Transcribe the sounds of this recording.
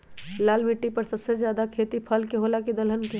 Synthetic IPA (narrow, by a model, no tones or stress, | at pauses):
laːlmiʈːipəɾsəbsed͡ʒjaːd̪akʰeːt̪ipʰəlkeɦolaked̪əlɦənke